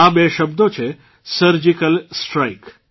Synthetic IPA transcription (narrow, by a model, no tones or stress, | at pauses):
abeʃəbd̪ot͡ʃʰe | səɾd͡ʒikəlsʈɾajk